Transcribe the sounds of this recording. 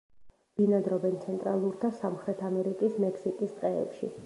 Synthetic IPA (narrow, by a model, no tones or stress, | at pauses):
b̥inad̪ɾɔbɛnt̪sʰɛnt̪ʼɾalˠuɾt̪ʰasamχɾɛt̪ʰamɛɾikʼismɛkʰsikʼist̪qʼɛ̰ːpʃḭ